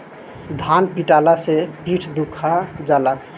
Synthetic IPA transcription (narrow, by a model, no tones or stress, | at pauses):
d̪ʱanpiʈalasepiʈʰd̪ukʰad͡ʒala